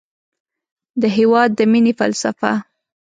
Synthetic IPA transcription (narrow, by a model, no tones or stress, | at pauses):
d̪əɦewɑd̪ːəminefa̰lsafa̰